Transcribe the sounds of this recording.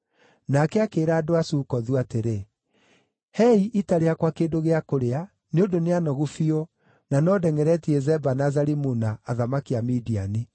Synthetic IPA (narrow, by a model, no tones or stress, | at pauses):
nakɛakeːɾaːdoasuːkɔðuateɾe | hɛiʔitaɾeakwakeːdoɣeakoɾea | neodoneanɔɣufio | nanɔdɛŋɛɾɛtiɛzɛbanazaɾimunaːðamakiamidiani